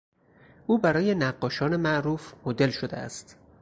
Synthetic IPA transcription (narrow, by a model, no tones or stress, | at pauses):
ʔuːbæɾɒːje̞næɢːɒːʃɒːne̞mæʔɾuːfmod̪e̞lʃod̪ḛæ̰st̪